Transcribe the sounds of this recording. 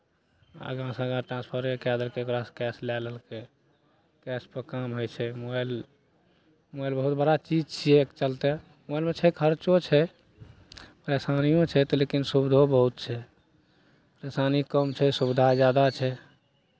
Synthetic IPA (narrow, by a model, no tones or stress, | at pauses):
a̰ɡãsə̃ɡãɾʈɾãnspʰəɾekad̪əlkeokɾaskɛslɛləlke | kɛspəkamɦojt͡ʃʰɛmoel | mɔjlbəɦut̪̚bəɽat͡ʃid͡ʒt͡ʃʰiɛkt͡ʃəlt̪ɛ | mjlmet͡ʃʰɛkʰəɾt͡ʃot͡ʃʰɛ | pəɾesanijõt͡ʃʰɛt̪ɔlekinsubd̪ʱobəɦut̪̚t͡ʃʰɛ | pɾesanikəmt͡ʃʰɛsubd̪ʱad͡ʒjad̪at͡ʃʰɛ